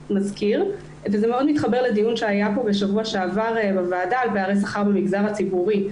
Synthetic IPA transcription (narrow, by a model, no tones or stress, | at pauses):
mazkiʁ | vezemeo̞d̪mit̪χabe̞ʁled̪ijunʃeajapo̞beʃavuaʃeavaʁbavaːdaːlpeaʁejs̬aχaʁbemiɡzaʁat͡sibuʁi